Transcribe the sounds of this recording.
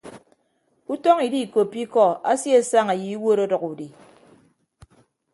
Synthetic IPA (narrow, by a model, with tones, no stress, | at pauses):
u˦tɔ˦ŋi˨di˦˨ko˨pːi˦kɔ˦˨a̰˦sje˦sa˦ŋa˨ji˨i˦wo˦ɾɔ˦dɔ˨ku˨di˨